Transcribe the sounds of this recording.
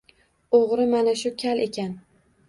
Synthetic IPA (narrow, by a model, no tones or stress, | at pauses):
oʁɾɪmanaʃʊkʲʰalekʲan